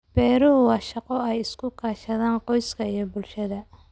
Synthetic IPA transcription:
b̥ɛːɾʊɦʊwɑːʃɑqɔɛjɪskʰʊkʰaːʃɐðaːnqɔjskʰɐijɞbʊlʃɐðɐ

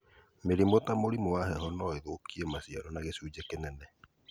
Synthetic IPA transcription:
meɾimotamoɾimowahɛɦɔnɔeɣokʰiemasia̰ɾɔnaɣesuːd͡ʒekenɛnɛ

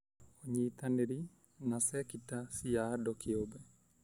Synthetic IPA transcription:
oɲit̪aneɾi | nasɛkitasiaːdɔkʰeobɛ

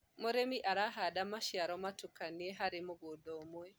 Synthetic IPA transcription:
moɾɛmiʔaɾaɦadamaʃiaɾɔmatukaniɛɦaɾɪmoɡodɔmwɛ

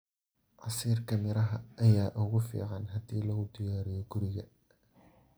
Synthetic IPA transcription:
ʔɑsiːrkʰɐmɪɾɐɦɐʔɐjaːʔʊɣʊfḭːʕɑnɦɐd̪iːlɐɣʊd̪ɪjaːɾɪjɔɡʊɾɪɣɐ

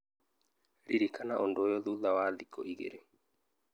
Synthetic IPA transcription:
ɾiɾikanaʔondoːjɔðuðawaːðikɔiɣḛɾe

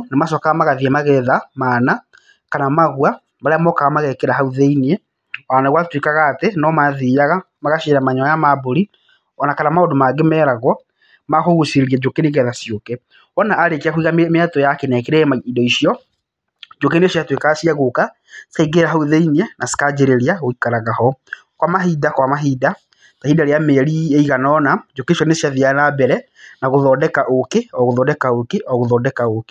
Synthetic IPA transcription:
nemaʃɔkaɣamaɣaðiamaɣɛðamana | kanamaɣwa | maɾeamɔkaɣamaɣɛkɛɾaɦauðeiniɛ | ɔanaɣwatwekaɣaːtenɔmaðijaɣa | maɣaʃiɾamaɲɔajamaboɾi | ɔnakanamaodomaɡemɛːɾaɣɔ | maxoɣusiɾiɛd͡ʒokeneɣɛðasjokɛ | ɔnaːɾekiaxwiɣammatɔjakɛnɛkeɾɛmaidɔiʃiɔ | d͡ʒokenesjatwekasjaɣoka | seɡeɾaɦauðeiniɛnase̥kad͡ʑeɾeɾiaɣoikaɾaɣahɔ | kwamaɦidakwamaɦida | tahidaɾeameɾieiɣanɔnad͡ʒokeiʃjɔnesjaðianabɛɾɛ | naɣoðɔdɛkaʔokeɔɣoðɔːdɛkaokeʔɔɣoðɔːdɛkaoke

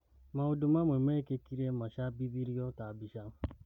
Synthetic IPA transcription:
maodumamʷemekekiɾemaʃabibiɾiɔtabiʃam

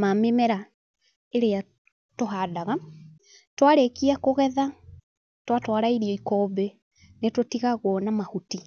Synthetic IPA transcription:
mamemɛɾa | eɾea | toɦaːdaɣa | twaɾekiakoɣɛða | twatwaɾaiɾiɔikɔbɛ | netotiɣaɣwɔnamahuti

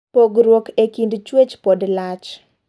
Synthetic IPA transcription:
poɡɾwokekindt͡ʃwet͡ʃpɔdlat͡ʃ

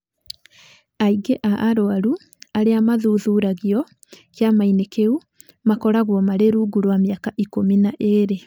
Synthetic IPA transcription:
aiɡeʔaʔːɾoaɾu | aɾeamaðuːðuːɾaɣiɔ | kjamainekeu | makɔɾaɣwɔmaɾeɾuɡuɾwameakaʔikominaʔeɾe

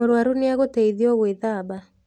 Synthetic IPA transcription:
oɾwaɾuneaɣotɛiðiɔɣweðaːba

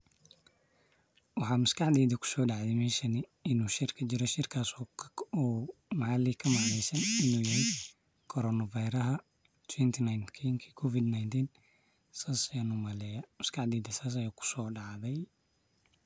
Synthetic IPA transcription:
wɑħɑːmɐskʰɑħd̪ɛːðɐkʰʊ̥sɔːɖɑʕd̪ɛmɛːʃɐnɪɪnuːʃɪrkʰɐt͡ʃɪɾɔʃɪrkʰaːs | mɐʕɑlikʰɐmɐʕlɛjsɐnɪnuːjɐhɛj | kʰɔɾɔnɐvɐjɾɐɦɐ | t̪ʰwɛnt̪ʰɪnajnkʰɛŋkʰikʰɔfɪd̪najnt̪ʰiːn | saːsjɐnumɐlɛːjɐmɐskʰɑʕd̪ɛːðɐsaːs̬ɐjaːkʰʊ̥sɔːɖɑʕðɛj

